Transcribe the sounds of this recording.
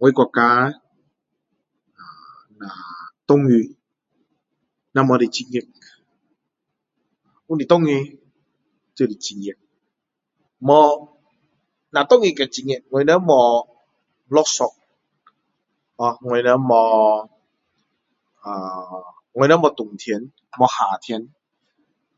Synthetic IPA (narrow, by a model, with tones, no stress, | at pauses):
ŋɔ˧˦jkʷa˧ka˧˦ | a˨ | na˨t̪ɔ˦ŋi˧ | na˧˨mɔ˨˧di˨t͡ʃi˧ŋi˧˨k̚ | u˦ni˨t̪ɔ˦ŋi˧ | t͡ʃə˧˨di˨t͡ʃi˨ŋi˨k̚ | mɔ˧ | na˨t̪ɔ˦˨ŋi˧ka˧˨t͡ɕi˧ŋe˧˨k̚ŋɔ˧jnɛ˧˦mɔ˧ | lɔ˧˦sɔ˧k̚ | ɔ˧ŋɔ˧jnɛ˧˦mɔ˧ | aː˨ | ŋɔ˧jnɛ˧˦mɔ˧t̪u˨˩ŋt̪ʰi˧˦ən | mɔ˧haː˨˩t̪ʰi˧˦n